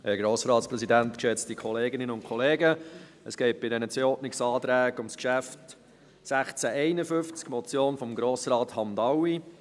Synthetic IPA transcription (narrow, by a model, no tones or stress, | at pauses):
hɛɡɾoːsɾɑːtspɾɛsidæntkʃɛt͡stikχɔleːɡɪnɪnəʊntkʰɔleːɡə | əsɡ̥ɛɪt̚b̥ɪdɛnət͡seɔtnɪksɑːtɾæːɡ̥ʊmskʃæft | sæχt͡sæʔɛɪnəfʏft͡skmɔt͡sjoːnfɔmɡɾoːsrɑːthɑndɑwi